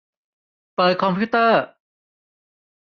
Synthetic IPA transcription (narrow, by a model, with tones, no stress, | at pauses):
pɤː˨˩kʰɔ˧mpʰuː˥˩t̪ɤː˥˩